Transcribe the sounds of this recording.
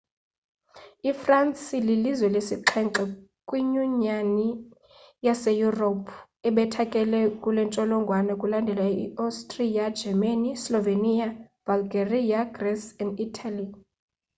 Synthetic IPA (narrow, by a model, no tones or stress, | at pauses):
ifransililizwɛlesiǃʰɛŋǁɛkʼwiɲuɲani | jasɛjuropʰ | ɛɓɛtʰakʼɛlɛkʼulɛnt͡ʃʼɔlɔŋɡʱwanɛkʼulandʱɛlaḭastʼriad͡ʒɛmanislɔveniab̥alɡeriaɡrɛsɛnditʰali